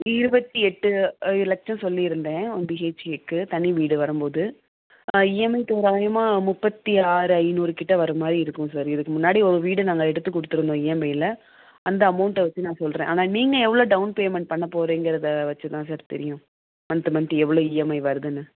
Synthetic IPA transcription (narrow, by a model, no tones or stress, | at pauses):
ɪɾɯbɐt̪ːiɛʈːɯlɛk̚t͡ʃɐ̃nsɔlːiɪɾɯnd̪ẽːɔnbiːeːt͡ʃɛkːɯt̪ɐniʋiːɽɯʋɐɾɯmpoːðɯ | ɪjɛmːɐɪt̪ːoɾaːjɐmaːmʊpːɐt̪ːiaːɾɯɐɪnuːɾɯkɪʈːɐʋɐɾɯmaːd̪ɾiɪɾɯkːʊ̃sɐɾɪðɯkːɯmʊnːaːɽiɔɾɯʋiːɽɯnaːŋɡɐɛɽɯt̪ːɯkːɔɽɯt̪ːɯɾɯnd̪õːɪjɛmɐɪɪlɐ | ɐnd̪ɐːmɐʊɳʈɛʋɐt͡ʃːɯnãːsɔlɾẽʔaːnaːniːŋɡɐɛʋːɐɭoːɖɐʊnpeːmɛɳʈ̚pɐɳːɐpoːɾẽːŋɡɪɾɐðɐʋɐt͡ʃːɯt̪ãːsaːɾt̪ɛ̰ɾɪjʊ̃ | ɐnt̪ɯmɐnʈɯɛʋːɐɭoːɪjɛmɐɪʋɐɾɐðɯnːɯ